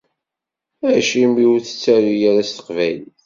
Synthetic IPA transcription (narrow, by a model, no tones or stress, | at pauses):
æʃimiwθə̥t͡sːæɾijaɾæst̪ə̥qvæliθ